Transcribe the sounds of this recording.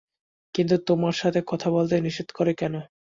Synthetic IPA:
kint̪ut̪omaɾʃat̪ʰekɔt̪ʰabolt̪eniʃid̪koɾekɛno

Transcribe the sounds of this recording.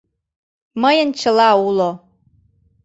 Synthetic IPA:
məjənt͡ɕə̆lɑulo

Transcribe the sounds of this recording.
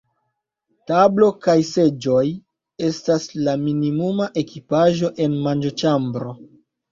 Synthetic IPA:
tablo̞kajse̞d͡ʒo̞j | e̞staslaminimumaʔe̞kipaʒo̞ʔe̞nmand͡ʒo̞t͡ʃambɾo̞

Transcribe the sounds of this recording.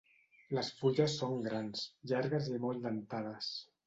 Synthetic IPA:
ləsfuʎəsːoŋɡɾansʎaɾɣəzimold̪ant̪aðəs

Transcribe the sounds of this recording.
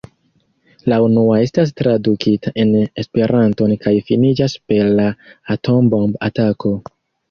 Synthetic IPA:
launuae̞stas̬tɾadukʰitaʔe̞ne̞spe̞ɾʔanto̞nkajfinid͡ʒaspe̞llaːtʰo̞mbomba̰tako̞

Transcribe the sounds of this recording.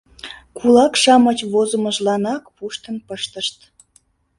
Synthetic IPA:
kʰulɑkʃɑmət͡ɕβozəməʒlɑnɑkpuʃt̪ənpəʃt̪əʃt̪

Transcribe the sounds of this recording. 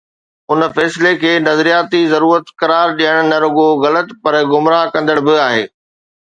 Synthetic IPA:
ʊnfɛːslekʰeːnɐzɾijaːt̪izɐɾuːɾət̪kɐɾaːɾɗijəɽ̃nɐɾʊɡoɣɐlət̪pɐɾɡʊmɾaɦkɐ̃nd̪əɽ̃bɪaːɦeː

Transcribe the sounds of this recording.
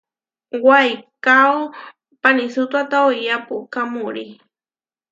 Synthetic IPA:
wajkaw | panisʊt̪wat̪awjapʊkamʊɾi

